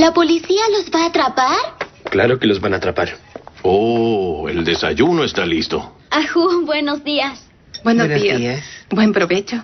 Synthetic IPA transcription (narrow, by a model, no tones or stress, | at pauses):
lapolisialo̞zbaːt̪ɾapaɾklaɾo̞kelo̞zbanat̪ɾapaɾoḛld̪e̞sa̰ʝunoest̪alist̪o̞̰ | axubwe̞nozðias | bwenoiasbwempɾoβet͡ʃo